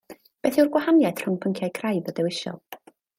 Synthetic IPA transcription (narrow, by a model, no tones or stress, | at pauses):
b̥eːθɪwrɡwahanjadʰr̥ʊŋpʰəŋkʰjajkʰrajðɔdɛwɪʃɔ̰lˠ